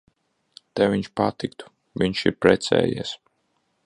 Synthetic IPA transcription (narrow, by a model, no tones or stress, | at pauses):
t̪ɛvʲiɲʃpat̪ikt̪u̥ | vʲiɲʃḭɾpɾɛt̪sɛ̰ːjɛ̰ɛs